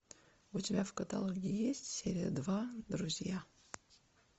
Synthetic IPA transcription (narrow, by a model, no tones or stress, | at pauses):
ʊtʲɪbʲafkət̪a̰lˠoɡʲɪjesʲtʲsʲeɾʲɪjə̰d̪vad̪ɾʊzʲja